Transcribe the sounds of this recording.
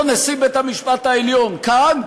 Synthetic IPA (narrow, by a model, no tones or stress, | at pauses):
nesibet̪hamiʃpat̪aeljo̞nkan